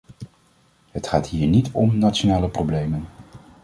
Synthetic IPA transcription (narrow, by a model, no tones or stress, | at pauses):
ɦətχaːtɦiːɹnitɔmnatt͡ʃonaːləprowblejmən